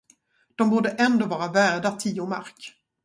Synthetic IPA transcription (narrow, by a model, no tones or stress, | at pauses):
d̪̥ɔmbuːɖəʔɛnd̪oːvɑːɾavæːɖat̪ʰiːʊma̰ɾk